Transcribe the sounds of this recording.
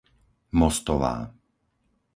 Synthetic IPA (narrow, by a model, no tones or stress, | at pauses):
mɔst̪ɔʋa̰ː